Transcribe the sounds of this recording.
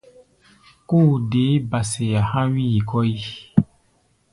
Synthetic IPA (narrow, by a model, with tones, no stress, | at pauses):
ku˦˨de˨˦ba˨se˨ja˨hã˦wi˦ji˨kɔ˦i˦